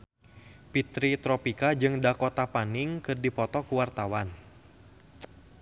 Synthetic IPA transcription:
pit̪ɾit̪ɾɔpikad͡ʒɨŋdakɔt̪apaniŋkɨrdipɔt̪ɔkuwart̪awan

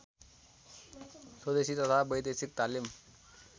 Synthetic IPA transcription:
swəd̪eɕiːt̪ət̪ʰabəjd̪esik̚t̪alim

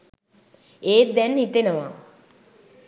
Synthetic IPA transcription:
eːd̪ɛnit̪enəʋa

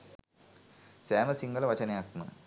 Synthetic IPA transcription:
saːmɐsiŋɡɐlɐʋɐt͡ʃɐneak̚t̪mɐn̰

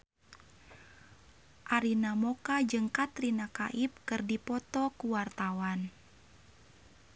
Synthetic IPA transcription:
ʔaɾinamɔkad͡ʒɨŋkat̪rinaka̰ʔip̚kɨrdipɔt̪ɔkuwart̪awan

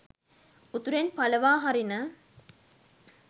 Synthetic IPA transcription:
ut̪uɾenpaləʋaːɦaɾinə

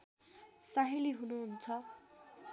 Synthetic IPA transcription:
saɦiliɦunuɦunt͡sʰʌ

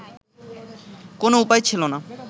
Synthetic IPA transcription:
konoupajt͡ɕʰilona

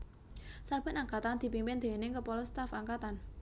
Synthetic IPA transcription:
sab̥ɛ̤t̪aŋkat̪and̪̥i̤pimpɪnd̪̥e̤neŋkəpɔlɔst̪afaŋkat̪an

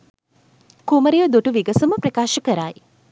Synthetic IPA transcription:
kuməɾijəd̪oʈuʋiɡəsuməprɐkaːʃəkəɾaj

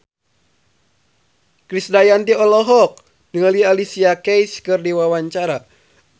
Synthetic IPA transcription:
kɾisdajant̪iɔlɔɦɔk̚ | dəŋəlialisiakɛjskɨrdiwawaɲt͡ʃaɾa

